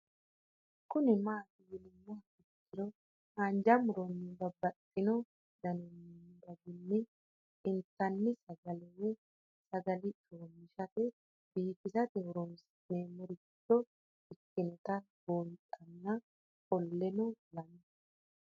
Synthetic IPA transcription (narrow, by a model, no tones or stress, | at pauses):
kʊnɪmaːt̪ɪjɪlɪmːɔhɐɪkːɪɾɔ | hand͡ʒɐmʊɾɔnːɪbɐbːɐtʼːɪnɔ | d̪ɐnɔnd̪ɐɡɪnːɪ | ɪnt̪ːɐnːɪsɐɡɐlɛwɛ | sɐɡɐlɪt͡ʃʼoːmːɪʃɐtɛ | b̥iːfɪzɐd̪ɛɾɔns | neːmɔɾɪ | t̪ːɔ | ɪkːɪnɔt̪ɐ | bontʼɐnːɐ | kʼɔlːɛnɔlɐm